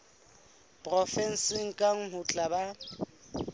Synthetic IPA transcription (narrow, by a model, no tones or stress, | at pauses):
pʼrɔfɛn̩sɪŋ̩kʼaŋ̩ɦʊt͡ɬʼaba